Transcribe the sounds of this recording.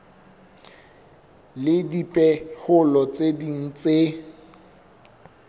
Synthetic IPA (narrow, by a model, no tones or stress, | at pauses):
lɪdipʼɛhʊlɔt͡sʼedin̩t͡sʼe